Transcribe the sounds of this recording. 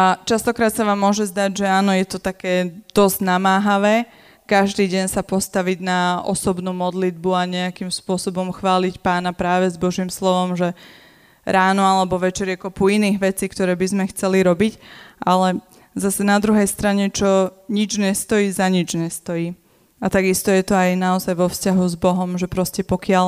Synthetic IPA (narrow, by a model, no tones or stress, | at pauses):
at͡ʃast̪ɔkɾaːt̪saʋaːmːʊɔʒɛzd̪aɟʒɛaːnɔjɛt̪ɔt̪akɛːd̪̥ɔzɟnamaːɦaʋɛː | kaʒd̪iːɟɛɲsapɔst̪aʋiɟnaɔ̰sɔbnuːmɔd̪lid̪buaɲɛakimspʊɔsɔbɔmxʋaːlicpaːnapɾaːʋɛzbɔʒiːmslɔʋɔmʒɛ | ɾaːnɔalɛbɔʋɛt͡ʃɛɾjɛkɔpuiniːɣʋɛt͡siːkt̪ɔɾɛːbizmɛxt͡sɛliɾɔbicʔalɛ | zasɛnad̪ɾuɦɛjst̪ɾaɲɛt͡ʃɔɲid͡ʒɲɛst̪ɔjiːzaɲid͡ʒɲɛst̪ɔjiː | at̪aɡist̪ɔjɛt̪ɔajnaɔzajʋɔfscaɦuzbɔɦɔmʒɛpɾɔscɛpɔkɪal